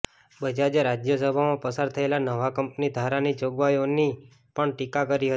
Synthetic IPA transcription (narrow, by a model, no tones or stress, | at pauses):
bəd͡ʒad͡ʒeɾad͡ʒjəsəbʱamãpəsaɾt̪ʰəelanəʋakəmpnid̪ʱaɾanid͡ʒoɡʋajoni | pəɳʈikakəɾiɦəi̥